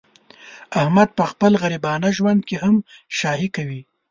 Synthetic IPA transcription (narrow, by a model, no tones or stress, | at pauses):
ahmad̪̚pəxpəlɣaɾibɑnaʒwand̪̚kehamʃɑhikawi